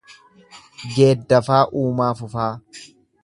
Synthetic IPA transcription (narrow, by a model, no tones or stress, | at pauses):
d͡ʒeːd̪ːɐfaːʔuːmaːfʊfaː